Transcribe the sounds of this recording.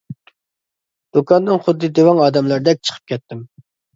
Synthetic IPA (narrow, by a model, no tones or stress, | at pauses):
d̪̥ukʰɑnd̪ɨŋχʊd̪ːɨd̪ewɑŋɑːd̪ɛmlˠɑɾd̪ɛk̚ʲt͡ʃʰə̥qʰə̥p̚kʲʰɛt̪ːɪm